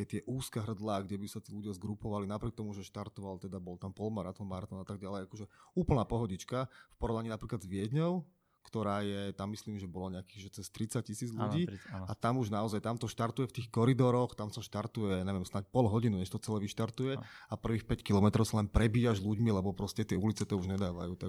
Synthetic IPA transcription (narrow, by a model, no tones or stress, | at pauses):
ɛt̪ɪɛʔuːskɛɦr̩d̪laːɡɟɛbisat̪iːluɟɪazɡɾupɔʋalinapɾɪɛk̚t̪ɔmuʒɛʃt̪aɾt̪ɔʋalt̪ɛd̪abɔlt̪ampɔlmaɾat̪ɔnmaɾat̪ɔnat̪aɡ̚ɟalɛjakɔʒɛuːpl̩naːpɔɦɔɟit͡ʃkafpɔɾɔʋnaɲiːnapɾiːklad̪zʋɪɛd̪ɲɔʊ | kt̪ɔɾaːjɛt̪amːisliːmʒɛbɔlɔɲɛakiːɣʒɛt͡sɛst̪ɾit͡sac̚cisiːd͡zlʎuɟiːat̪amuʒnaɔzajt̪amt̪ɔʃt̪aɾt̪ujɛft̪iːxkɔɾid̪ɔɾɔxt̪amsaʃt̪aɾt̪ujɛaɲɛʋɛmsnac̚pɔlɦɔɟinuɲɛʃt̪ɔt͡sɛlɛːʋiʃt̪aɾt̪ujɛapr̩ʋiːxpɛckilɔmɛt̪ɾɔʊsalɛnpɾɛbiːaʒluɟmilɛbɔpɾɔscɛt̪ɪɛulit͡sɛt̪ɔuʒɲɛd̪aːʋa̰juːt̪a